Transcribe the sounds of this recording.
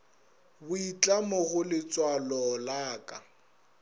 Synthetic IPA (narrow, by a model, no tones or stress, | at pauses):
bʊit͡ɬʼamʊɣʊlɪt͡sʼwalɔlaːkʼa